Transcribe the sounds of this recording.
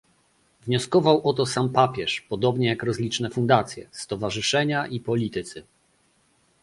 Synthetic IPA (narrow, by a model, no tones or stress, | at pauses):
vɲɔskɔvawʔɔt̪ɔsampapʲjɛʂpɔd̪ɔbɲɛjakɾɔzlʲit͡ʂnɛfund̪at̪sʲjɛ̰st̪ɔvaʐɘʂɛɲaʔipɔlʲit̪ɘt̪sɘ